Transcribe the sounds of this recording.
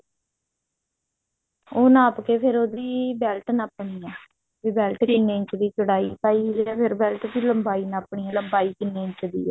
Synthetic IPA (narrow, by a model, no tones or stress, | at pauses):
oːnaːpkeːpʰɪɾoːd̪iːbɛːlʈnaːpɳiːɛː | ʋiːbɛːlʈkɪnːeːɪ̃ɲt͡ʃd̪iːt͡ʃəɽaːḭːpaːiːɛːpʰɪɾbɛːlʈt̪iːləmbaːiːnaːpɳiːɛ̃ːləmbaːiːkɪnːeːɪɲt͡ʃd̪ḭːɛː